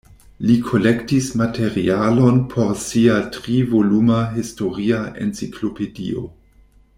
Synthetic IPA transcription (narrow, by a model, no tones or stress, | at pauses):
likʰo̞lektismatʰe̞ɾḭalo̞npʰo̞ɾsiatʁivo̞lumaɦisto̞ɾiaʔḛnt͡sikʰlo̞pedḭo̰